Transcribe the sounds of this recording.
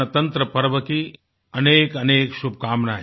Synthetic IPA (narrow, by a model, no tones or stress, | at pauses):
ɐt̪ɐ̃nt̪ɾəpɐɾʋəki | ɐneːkɐneːkʃub̚ʱkaːmna̰ː